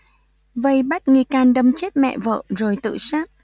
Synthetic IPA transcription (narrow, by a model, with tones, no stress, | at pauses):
və˧jɓa˦˥t̚ŋi˧kaː˧nɗə˧mt͡ɕe˦˥t̚mɛ̰˧˨və̰ː˧˨zo˨˩jt̪ɨ̰˧˨saː˦˥t̚